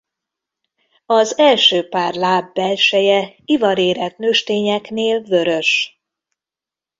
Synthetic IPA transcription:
ɒzɛlʃøːpaːrlaːbːɛlʃɛjɛivɒɾeːɾɛt̪nøːʃt̪eːɲɛkneːlvø̞ɾø̞ʃ

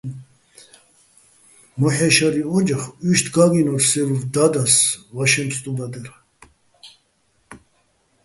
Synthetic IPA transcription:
mɔħɛʃaɾiɔd͡ʒaχyʃt̪ʰɡaɡinɔɾsɛvuvd̪ad̪asvaʃɛmpst̪ʼubad̪ɛɾ

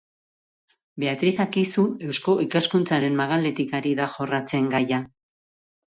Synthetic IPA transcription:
be̞at̪ɾiðakisue̞wsko̞ʔikaskunt͡saɾe̞mmaɣale̞t̪ikaɾiðaʝo̞rat͡se̞ŋɡaja

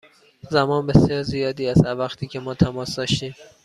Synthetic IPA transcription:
zæmɒːnbe̞sjɒːɾzijɒːd̪iːæzævæxt̪ʰiːcʰe̞mɒːt̪ʰæmɒːsd̪ɒːʃt̪iːm

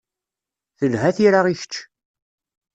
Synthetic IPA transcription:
θəlɦæθiɾaʁiçə̥t͡ʃː

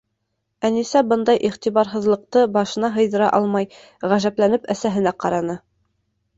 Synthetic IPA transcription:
ænisæbɤnd̪ɑjʔiχt̪iβɑɾɦɤ̆ðlˠɤ̆q̚t̪ɤbɑʃɤ̆nɑɦɤ̆jðɤ̆ɾɑʔɑlˠmɑj | ʁæʒæplænɘpæsæɦɘ̆næqɑɾɑnɤ

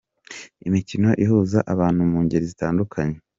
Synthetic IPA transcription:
imicino̞ʔiɦuːzaʔaβaːn̥humuːɲɟeɾizitaːndukʰaɲe

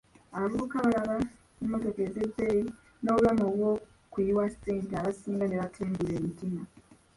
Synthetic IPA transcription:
aɾukaβaɾaɾa | umatokedebei | noɣanoβwo | kuiwasteːntiaβasiːŋɡaneβatʰeːŋɡuɾeːmitina

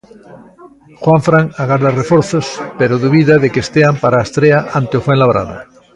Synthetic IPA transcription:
xwaɱfɾaŋaɣaɾðarefoɾθospeɾoðuβiðaðekest̪eampaɾaest̪ɾeaʔãnt̪eofwẽnlaβɾa̰ða̰

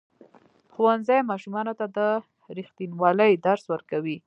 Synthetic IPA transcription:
xowanzajmɑʃumɑnot̪ad̪ə | ɾixt̪inwɑləjd̪aɾswəɾkawi

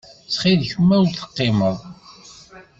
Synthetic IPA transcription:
t͡sːχiðçəmːæwɾθə̥qːɪməðˤ

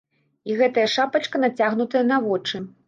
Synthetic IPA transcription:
iɣɛt̪ɐjɐʂapɐt͡ʂkɐnat͡sʲaɣnut̪ɐjɐnɐvɔt͡ʂɨ

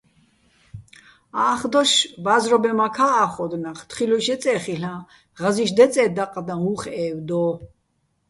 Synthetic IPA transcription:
aːχd̪ɔʃbazɾɔbɛmakʰaːχɔd̪naχt̪χilɔʃɛt͡sʼɛːχiɬã | ʁaziʃd̪ɛt͡sʼɛːd̪aqʼd̪ãuχɛːwd̪ɔ

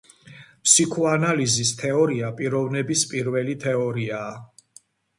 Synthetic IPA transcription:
pʰsikʰɔanalizist̪ʰɛɔɾiapʼiɾɔvnɛbispʼiɾvɛlit̪ʰɛɔɾiaː

